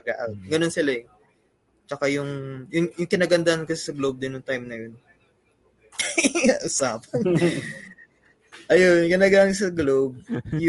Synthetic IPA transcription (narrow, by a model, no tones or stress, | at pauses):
ɐɡa̰ʔawd̪̚ɡɐno̞nsɪlaɛ | t͡ʃɐkajʊŋjʊŋjʊŋkɪnaːɡɐnd̪ahankɐsɛ̥sɐɡlowb̚d̪ɪnjʊŋt̪ajmnɐjon | aʔʊsaːpɐn | ʔɐjonkɪnaːɡaːmɪns̬ɐɡlob̚j